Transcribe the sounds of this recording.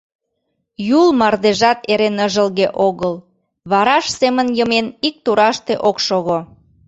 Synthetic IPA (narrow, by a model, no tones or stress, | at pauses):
julmɑrd̪eʒɑt̪eɾenəʒəlɣeʔoɣəl | βɑɾɑʃsemənjəmenik̚t̪uɾɑʃt̪eʔokʃoɣo